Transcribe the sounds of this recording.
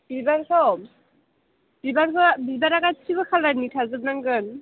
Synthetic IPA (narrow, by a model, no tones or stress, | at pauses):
bibaɾkʰɔ | b̥ibankʰɔbibaɾakatʰibɯkʰalanitʰazɯb̚naŋɡɯn